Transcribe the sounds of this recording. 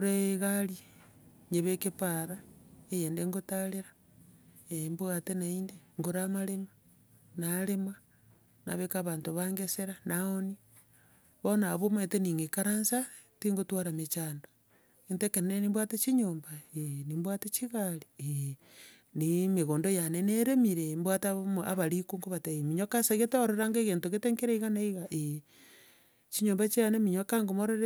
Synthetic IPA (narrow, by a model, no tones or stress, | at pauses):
oɾeɣali | ɲeβekepaɾaejeːndeŋɡotaleɾḁ | embwatenaindeŋɡoɾamalema | nalema | na̰βekaβaːntoβaŋɡeseɾanaoni | βonaβometeniŋɡekaɾansa | tiŋɡotwaɾamet͡ʃaːndo̥ | entekenenenimbwatet͡ʃiɲoːmbaenimbwatet͡ʃiɣaɾie | nimeɣoːndojaneneɾemiɾembwataβmaβaɾikuŋɡoβateemiɲokasaɣetoɾeɾaŋɡeɣentoɣeteŋkeɾeiɣanaiɣaʔe | t͡ʃiɲombat͡ʃianemiɲokaŋɡomoɾeɾe